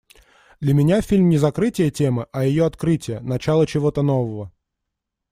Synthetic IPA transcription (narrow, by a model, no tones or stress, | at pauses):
d̪lʲəmʲɪnʲafʲilʲmnʲɪzɐkɾɨtʲɪjətʲemɨʔɐjɪjoɐt̪kɾɨtʲɪjənɐt͡ɕalˠət͡ɕɪvo̞t̪ən̪ovəvə